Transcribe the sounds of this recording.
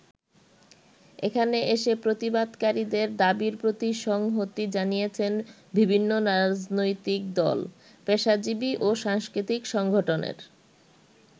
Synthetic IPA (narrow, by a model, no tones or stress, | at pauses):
ekʰaneeʃepɾot̪ibad̪kaɾid̪eɾd̪abiɾpɾot̪iʃɔŋɦot̪id͡ʑanijet͡ɕʰen | bibʱinːoɾad͡ʑnojt̪ik̚d̪ɔ̰l | peʃad͡ʑibiʔoʃaŋskɾit̪ikʃɔŋɡʱoʈonḛɾ